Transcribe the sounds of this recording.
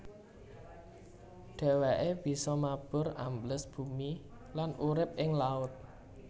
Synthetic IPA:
ɖ̪̥a̤waʔeb̥i̤sɔmab̥ʊ̤ra̰mbləsb̥ṳmi | lanʔuɾɪp̚ʔɪŋlaʊt̪̚

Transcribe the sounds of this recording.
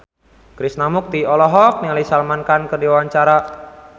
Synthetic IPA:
kɾisnamʊk̚t̪iɔlɔɦɔk̚niŋalisalmankankərdiwawaɲt͡ʃaɾa

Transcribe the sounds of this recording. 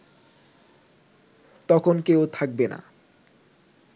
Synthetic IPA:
t̪ɔkʰonkeot̪ʰak̚bena̰

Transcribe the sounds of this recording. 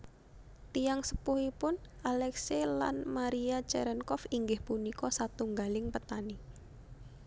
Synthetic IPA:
t̪ijaŋsə̥puhipʊnʔalɛksela̰nmaɾiat͡ʃɛɾɛnkɔfiŋɡɪhpunikɔsat̪uŋɡalɪŋpət̪ani

